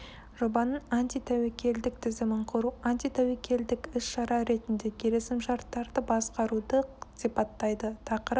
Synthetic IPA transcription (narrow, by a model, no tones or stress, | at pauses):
ʒ̥o̞bɑnəɴant̪ijt̪ʰæwekʲʰe̞ld̪ɪk̚t̪ʰɪzɪmɪɴqʰʊɾuanʲt̪ijt̪ʰæwekʲʰe̞ld̪ɪkɪsʃɑɾɑɾe̞t̪ɪnd̪e̞kʲʰe̞ɾe̞sɪmʒɑɾt̪ːɑɾd̪əbɑsqɑɾud̪əsipɑt̪ːɑjd̪ət̪ʰɑqəɾəp